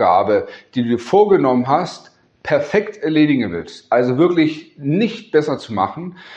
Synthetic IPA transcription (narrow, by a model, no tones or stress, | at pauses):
ɡ̥a̰ːbəd̥iːduːfoːɐɡənɔmənɦast | pʰɛɐfɛktʔɛɐleːdɪɡŋ̩vɪ̰lstʔalzovɪɐklɪçnɪçt̚b̥ɛsɐt͡suma̰χn̩